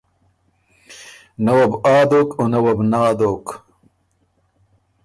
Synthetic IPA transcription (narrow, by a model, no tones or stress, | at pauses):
nɐwɐbaːd̪oːkonɐwɐbnaːd̪oːk